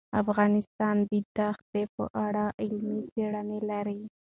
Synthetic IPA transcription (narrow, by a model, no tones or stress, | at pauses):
a̰fɣɑnɪst̪ɑnbid̪axd̪epə̰ʔaɽaʔɪlmit͡seɽanelaɾi